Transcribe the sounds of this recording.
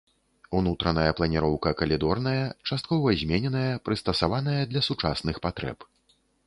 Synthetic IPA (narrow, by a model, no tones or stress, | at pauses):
unut̪ɾɐnɐjɐplˠɐnʲiɾɔwkɐkɐlʲid̪ɔrnɐjɐt͡ʂast̪kɔvɐzʲmʲenʲɛnɐjɐpɾɨst̪ɐsavan̪ɐjɐd̪lʲɐsut͡ʂasnɨxpat̪ɾɛ̰p